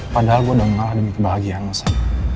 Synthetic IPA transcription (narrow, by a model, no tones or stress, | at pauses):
padaɦalɡuadaməŋalahdəmikəbaɦaɡianməsana